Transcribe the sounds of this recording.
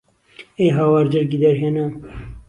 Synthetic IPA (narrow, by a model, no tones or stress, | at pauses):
eːɦaːwɑːɾd͡ʒəɾɡiːd̪ɛɾɦeːna